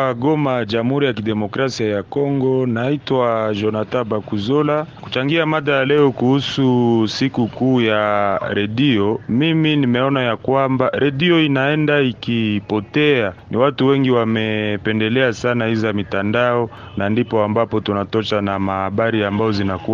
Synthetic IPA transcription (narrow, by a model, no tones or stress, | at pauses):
aɡɔmad͡ʒamhuɾijakidɛmɔkɾasiajakɔŋɡɔnaitwaʒɔnatabakuzɔlaku̥t͡ʃaŋɡiamaðajalɛɔkuhususikukuːjaɾadiɔmiminimɛɔnajakwambaɾaɗiɔinaɛndaikipɔtɛaniwatuwɛŋɡiwamɛpɛndɛlɛasanahizamitandaɔ | nandipɔambapɔtunatɔʃanamahaɓaɾiambajɔzinaku